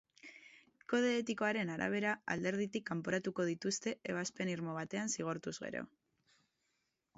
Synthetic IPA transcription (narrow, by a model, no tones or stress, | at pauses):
ko̞ð̞e̞ːt̪iko̞aɾe̞naɾa̰β̞e̞ɾaa̰ld̪e̞ɾð̞it̪ikːampoɾat̪uko̞ð̞it̪ust̪e̞eβ̞aspe̞niɾmo̞β̞at̪e̞ansiɣ̞oɾt̪uzɣe̞̰ɾo̞̰